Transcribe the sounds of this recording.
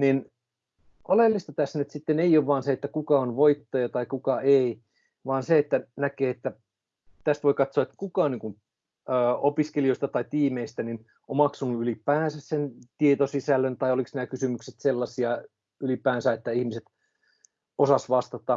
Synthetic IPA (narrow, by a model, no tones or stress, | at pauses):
nin | olelːist̪ɑt̪æsnyt̪sit̪ːeneijoʋʋɑːnseet̪ːækukɑonʋoit̪ːɑjɑt̪ɑikukɑʔei | ʋɑːnseet̪ːænækeːet̪ːæ | t̪æst̪ʋoikɑt̪soɑet̪ːæ̥kukɑːniːŋkun | øːopiskelioist̪ɑt̪ɑit̪iːmeist̪ænin | ʔommɑksunuylipæːnsæssent̪iet̪osisælːønt̪ɑioliksnæːkysymykset̪selːɑsiɑ | ylipæːnsæet̪ːæihmiset̪ | osɑsʋɑst̪ɑt̪ɑ